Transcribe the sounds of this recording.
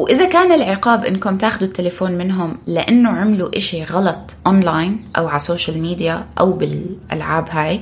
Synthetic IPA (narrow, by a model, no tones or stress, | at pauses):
wʔɪðakaːnɪlʕɪqɑːbʔɪ̰nːkʊmt̪aːxʊd̪ut̪ːɪlafoːnmɪnɦʊmlɪʔanːʊʕɪmluʔɪʃiɣɑlɑt̪ˤʔɔnlaːjnʔa̰wʕasoːʃalmiːd̪jaʔa̰wbɪlʔa̰lʕaːbɦaːj